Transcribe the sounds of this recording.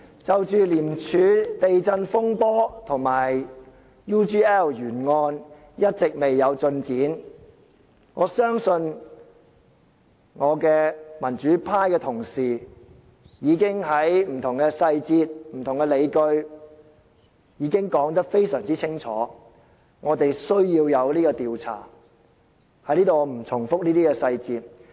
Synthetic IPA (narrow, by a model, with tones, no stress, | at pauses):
t͡sɐ˨wt͡ʃyː˨liː˨˩mt͡ʃʰyː˨˧˥t̪e˨jt͡sɐ˧nfʊ˥ŋpɔː˥t̪ʰʊ˨˩ŋmaː˨˩j | juː˥t͡ʃiː˥ɛː˥˩wjyː˨˩nŋɔː˧n | jɐ˥t̚t͡sɪ˨k̚me˨jːɐ˨˧wt͡sɵ˧nt͡siː˨˥n | ŋɔː˨˧sœː˥ŋsɵ˧n | ŋɔː˨˧kɛː˧mɐ˨˩nt͡ʃyː˨˥pʰaː˥jkɛː˧t̪ʰʊ˨˩ŋsiː˨˩ | jiː˨˧kɪ˥ŋɦɐ˨˥jm̩˨˩t̪ʰʊ˨˩ŋkɛ˧sɐ˧jt͡siː˧t̚m̩˨˩t̪ʰʊ˨˩ŋkɛ˧le˨˧jkɵ˧ɥ | jiː˨˧kɪ˥ŋkɔː˨˥ŋt̪̬ɐ˥k̚fe˥jsœː˨˩ŋt͡siː˥t͡sʰɪ˥ŋt͡sʰɔː˨˥ | ŋɔː˨˧t̪e˨jsɵ˥ɥjiː˧wjɐ˨˧wliː˥kɔː˧t̪iː˨wt͡sʰa̰ː˨˩ | hɐ˨˥jniː˥t̪o˨˧m̩˨˩t͡sʰʊ˨˩ŋfʊ˥k̚niː˥t̪iː˥kɛː˧sɐ˧jt͡siː˧t̚